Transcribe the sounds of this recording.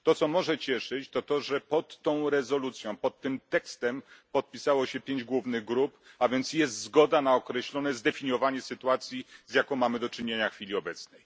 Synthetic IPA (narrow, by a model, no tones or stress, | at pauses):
t̪ɔt̪sɔmɔʐɛt͡ɕɛʂɘt͡ɕt̪ɔt̪ɔʐɛpɔt̪ːɔ̃w̃ɾɛzɔlut̪sʲjɔ̃w̃pɔt̪ːɘmt̪ɛkst̪ɛmpɔt̪̚pʲisawɔɕɛpʲjeɲd͡ʑɡwuvnɘɣɡɾupavʲjɛnt̪sjɛst̪zɡɔd̪anaɔkɾɛɕlɔnɛzd̪ɛfʲiɲɔvaɲɛsɘt̪uat̪sʲjizʲjakɔ̃w̃mamɘd̪ɔt͡ʂɘɲeɲaxfʲilʲiɔbɛt̪snɛj